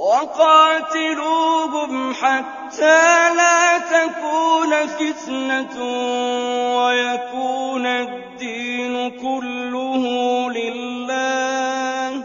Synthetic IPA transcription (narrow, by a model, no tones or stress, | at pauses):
wɑqɑːt̪ɪluːbʊmħat̪ːaːlaːt̪akuːnfɪt̪na | wajakuːna | d̪ːiːnʊkʊlːʊhlɪlːaː